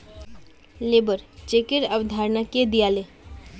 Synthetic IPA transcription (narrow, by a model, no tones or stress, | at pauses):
lebəɾt͡ʃekiɾəʋd̪ʱaɾnaked̪ijale